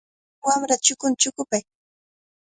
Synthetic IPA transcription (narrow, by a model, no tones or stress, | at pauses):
wamɾat͡ʃʊkʊnt͡ʃʊkʊpaj